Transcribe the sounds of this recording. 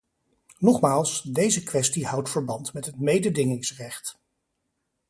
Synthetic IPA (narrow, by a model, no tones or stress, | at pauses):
nɔχmaːlˠsdejzəkʋɛstihʌwtfəɹbɑntmɛtɦətmejdədɪŋɪŋsrɛχt